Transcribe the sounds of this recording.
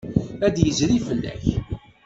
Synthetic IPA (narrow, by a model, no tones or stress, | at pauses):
æd̪jəzɾifəlːæ̰ç